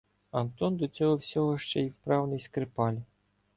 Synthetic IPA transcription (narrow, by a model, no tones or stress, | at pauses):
ɐnt̪ɔnd̪ɔt͡sʲɔɦɔwsʲɔɦɔʃt͡ʃɛjiwpɾɑwnɪjskɾepɑlʲ